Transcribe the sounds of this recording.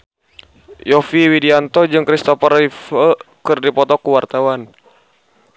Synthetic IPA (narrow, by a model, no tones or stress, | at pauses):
jɔfiwidiant̪ɔd͡ʒɨŋkɾist̪ɔfaɾifəkɨrdipɔt̪ɔkuwart̪awan